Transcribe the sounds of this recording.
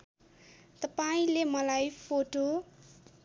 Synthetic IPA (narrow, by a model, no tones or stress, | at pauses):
t̪ʌpaĩlemʌlajpʰoʈo